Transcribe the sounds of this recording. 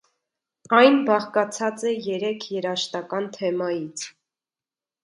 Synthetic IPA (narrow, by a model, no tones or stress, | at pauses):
ɑjnbɑχkɑt͡sʰɑt͡sɛjɛɾɛkʰjɛɾɑʃt̪ɑkɑnt̪ʰɛmɑjit͡sʰ